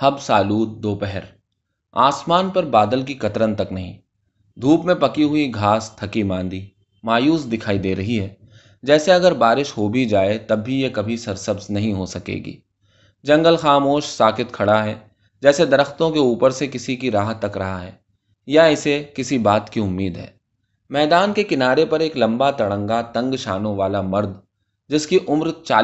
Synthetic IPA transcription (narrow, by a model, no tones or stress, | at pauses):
hɐbsaːluːd̪̚d̪oːpɛɦɛɾ | aːsmaːnpɐɾbaːd̪əlk̬ikɐt̪ɾənt̪ɐknɐɦĩ | d̪ʱuːpmẽpɐkiɦʊiɡʱaːst̪ʰɐkimãːnd̪i | maːjuːsd̪ɪkʰaːid̪eːɾɐɦiɦɛː | d͡ʒɛːseɐɡəɾbaːɾɪʃɦobʱid͡ʒaːet̪ɐbːijekɐbʱisɐɾsɐbznɐɦĩɦosɐkḛːɡḭː | d͡ʒɐ̃ŋɡəlxaːmoːʃsaːkɪt̪kʰɐɽaɦɛː | d͡ʒɛːsed̪ɐɾəxt̪õkeuːpəɾsekɪsikiɾaːɦət̪ːɐkɾɐɦaɦɛː | jaɪsekɪsibaːt̪kiʊmːiːd̪ɦɛ̰ː | mɛːd̪aːnkekɪnaːɾepɐɾeːklɐ̃mbat̪ɐɽə̃ŋɡat̪ɐ̃ŋɡʃaːnõʋaːlamɐɾd̪ | d͡ʒɪskiʔʊmɾt͡ʃa̰ː